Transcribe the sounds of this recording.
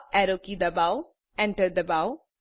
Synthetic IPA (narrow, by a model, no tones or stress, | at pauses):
ʔɛɾokid̪əbaʊ | ɛ̃ɳʈəɾɖ̚d̪əbaʊ